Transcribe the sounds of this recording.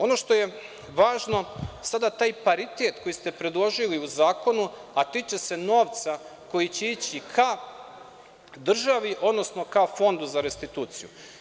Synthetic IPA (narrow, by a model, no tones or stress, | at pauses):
o̞no̞ʃt̪o̞je̞ | ʋaːʒno̞sad̪at̪aːjpaɾit̪et̪ko̞jist̪e̞pɾe̞d̪lˠo̞ʒiliuzaːko̞nuat̪it͡ʃe̞se̞no̞ːʋt̪sako̞jit͡ɕeiːt͡ɕikʰa | d̪r̩ʒaʋiʔo̞d̪no̞sno̞kafo̞nd̪uzaɾe̞st̪it̪uːt̪sijṵ